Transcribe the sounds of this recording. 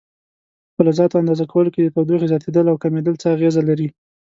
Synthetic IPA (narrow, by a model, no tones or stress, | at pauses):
pəlazɑt̪oand̪ɑzakawəloked̪ət̪awd̪uxezjɑt̪ed̪əlawkamed̪əlt͡səaɣezalaɾi